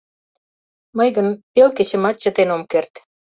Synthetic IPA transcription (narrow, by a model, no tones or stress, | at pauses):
məjɣənpelkĕt͡ɕə̆mɑt̪̚t͡ɕə̆t̪enomkert̪